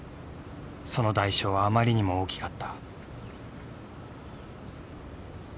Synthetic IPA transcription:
so̞no̞d̪aiɕo̞ːβaːmaɾʲiɲ̟imo̞oːkʲi̥kat̪ːḁ

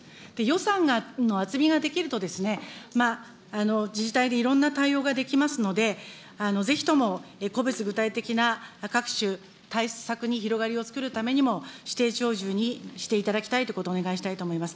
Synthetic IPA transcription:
d̪̥e̞jo̞sãŋɡano̞at͡sɨmʲiɡad̪e̞kʲiɾɯ̟t̪o̞d̪e̞sɨne̞maː | no̞d͡ʑiʑit̪aid̪e̞iɾõ̞nːat̪aio̞ːɡad̪e̞kʲimasɨno̞d̪e̞ | ano̞ze̞çʲi̥t̪o̞mo̞eko̞bet͡sɨɡɯ̟t̪ait̪e̞kʲinakakɯ̟̥ɕɨ | t̪aissakɯ̟ɲ̟içiɾo̞ɡaɾʲio̞t͡sɨ̥kɯ̟ɾɯ̟t̪ame̞ɲ̟imo̞ɕi̥t̪e̞ːt͡ɕo̞ːʑɨːɲ̟iɕi̥t̪e̞it̪ad̪akʲi̥t̪ait̪oɯko̞t̪oːne̞ɡaiɕi̥t̪ait̪o̞ːmo̞imasɨ̥

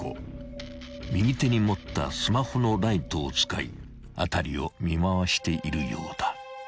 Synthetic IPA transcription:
o̰ | mʲiɡ̟it̪e̞ɲ̟imo̞t̪ːa̰sɨmaho̞no̞ɾait̪o̞ːt͡sɨ̥ka̰ḭ | a̰t̪aɾʲio̞̰mʲimaβaɕi̥t̪e̞ʔiɾɯjo̞̰ːd̪̥a

